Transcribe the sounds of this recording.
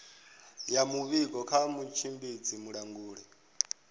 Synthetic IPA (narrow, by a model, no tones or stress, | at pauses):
jamuβikɔkʰamut͡ʃʰimbid͡zimuɺaŋɡuːɺɛ